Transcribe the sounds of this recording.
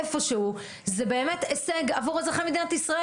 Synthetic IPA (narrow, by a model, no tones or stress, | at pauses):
efo̞ʃeu | zebe̞ːme̞t̪eseɡavuʁazʁaχamed̪inat̪isʁae